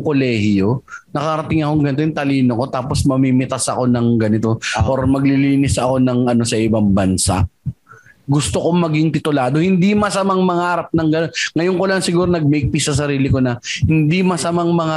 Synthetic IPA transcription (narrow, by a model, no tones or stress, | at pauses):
kolɛːhjo̞nɐkaɾɐt̪ɪŋɐkoŋɡɐnɪt̪ojʊŋt̪ɐliːnoko̞t̪aːposmɐmimɪt̪asɐko̞nɐŋɡɐnɪt̪o̞ʔoɾmɐɡ̚lɪliːnɪsʔɐko̞nɐŋʔɐno̞sɐʔɪbaŋbɐnsa̰ | ɡʊst̪oko̞mɐɡiŋt̪ɪt̪ʊlaːd̪o̞hɪnd̪imɐsɐmaŋmɐŋaaɾɐp̚nɐŋɡɐnonŋɐjoŋkolɐŋsɪɡuːɾonɐɡ̚mɛjk̚pisɐs̬ɐɾiːlɪko̞nɐhɪnd̪imɐsɐmaŋmɐŋa